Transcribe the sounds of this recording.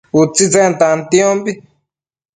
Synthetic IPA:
ut͡sit͡sẽnt̪ãnt̪jõmbi

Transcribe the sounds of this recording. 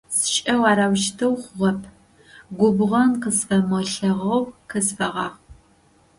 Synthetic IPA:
sɨʃʼɐwaːɾaːwʃtʰɐwχʷʊʁɐpʰ | ɡʷʊbʁɐnqəsfɐmɐɬɐʁɐwqəsfɐʁɑːʁ

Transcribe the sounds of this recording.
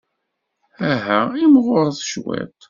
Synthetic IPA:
æɦæimʁʊɾˤθʃwæ̰t̪

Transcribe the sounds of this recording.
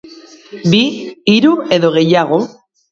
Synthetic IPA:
biiɾue̞ðo̞ɣ̞e̞jaɣ̞o

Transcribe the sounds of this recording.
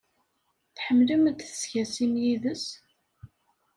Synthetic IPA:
θħəmːləmd̪θə̥sçæsimjiðəs

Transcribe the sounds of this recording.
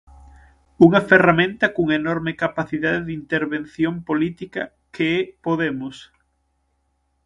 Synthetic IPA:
uŋɐferamẽnt̪ɐkuŋenɔɾmekapaθiðaðeðint̪eɾβen̟θjompolit̪ikɐ | keɛpoðemʊs

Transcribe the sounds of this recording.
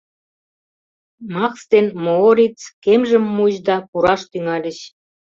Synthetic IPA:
mɑkst̪enmooɾʲit͡skemʒə̆mːuʑd̪ɑpuɾɑʃt̪yŋɑlʲə̆ɕ

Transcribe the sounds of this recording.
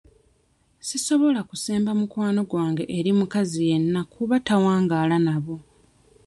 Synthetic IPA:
siso̞βo̞lakuseːmbamukwaːno̞ɡwaːŋɡe̞ʔeɾimukazije̞nːakʰːuβatawaːŋɡaːlanaβo̞

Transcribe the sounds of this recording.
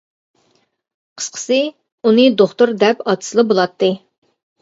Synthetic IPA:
qʰə̥sqʰə̥sɨ | unɨd̪oχt̪uɾd̪ɛpɑt̪ʰɨ̥sɨlˠɨbolˠɑt̪ːɨ

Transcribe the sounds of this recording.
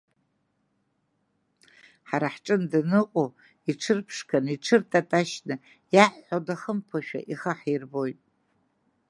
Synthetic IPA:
ħaɾaħʈ͡ʂʼɨndɨnɨqʷʼo | iʈ͡ʂʰɨrpʰʂkʰaniʈ͡ʂʰɨrtʰʼatʼaʃnɨ | jaħːodaχəmpʰaʃᶣa̰ʔiχəħirbojtʼ

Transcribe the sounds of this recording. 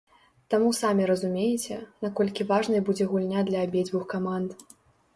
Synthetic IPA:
t̪amusamʲiɾɐzumʲejɛt͡sʲɛnakɔlʲkʲivaʐnɨjbud͡zʲɛɣulʲnʲad̪lʲɐːbʲed͡zʲvɨxkamand̪

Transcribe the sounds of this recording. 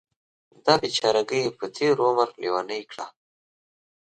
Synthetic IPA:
d̪ɑbit͡ʃɑɾaɡəjepət̪ʰeɾomaɾlʔiwanəjkɽa

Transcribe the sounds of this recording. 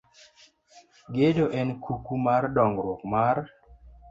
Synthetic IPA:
ɡedoʔɛnkʰukumardɔŋɡɾwɔkmar

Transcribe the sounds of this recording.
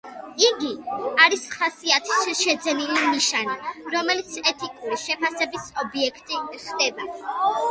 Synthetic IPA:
iɡiaɾisχasiat̪ʰi̥ʃʃɛd̪zɛnilimiʃaniɾɔmɛlit̪sʰɛt̪ʰikʼuɾiʃɛpʰasɛbisɔbiɛkʰt̪ʼiχd̪ɛba

